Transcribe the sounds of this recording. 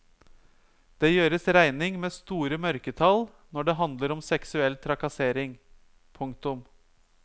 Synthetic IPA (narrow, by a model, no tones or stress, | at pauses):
d̪̥eːjøːɾəsɾæɪnɪŋmeːst̪uːɾəmœɾkət̪ʰɑl | nɔɖeːɦɑnd̪ləɾɔmsɛksʉɛlt̪ʰɾɑkɑseːɾɪŋ | pʰʊŋk̚t̪ʊm